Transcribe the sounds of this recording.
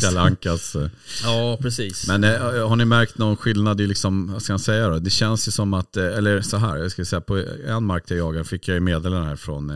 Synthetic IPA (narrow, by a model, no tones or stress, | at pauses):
kalaŋkas | jɑːpɾɛsiːsmɛnɦaɳɪmæɾk̚t̪nɔnɧɪlnad̪ɪlɪksɔmvaskamansɛjːad̪ɔd̪ɛɕɛnsjɵsɔmːat̪ːɛlːəɾsɔɦæːɾjɑskasɛjːapʰɔɛ̰nːmaɾkt̪ʰɪjajɑːɡaɾfɪkʰːjajmeːd̪eːlənhæ̰ːɾfɾɔ̰n